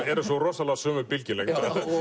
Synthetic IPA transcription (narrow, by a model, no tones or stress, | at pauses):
ɛɾʏsɔrɔsalasœːmʏpilcɪlekt̪a